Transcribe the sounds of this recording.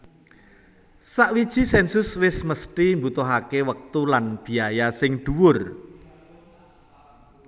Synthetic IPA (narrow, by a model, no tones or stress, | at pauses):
saʔwid̥ʒ̥i̤sɛnsʊswɪsməst̪imbut̪ɔɦakewək̚t̪ulanb̥i̤ajasɪŋd̪̥uwʊr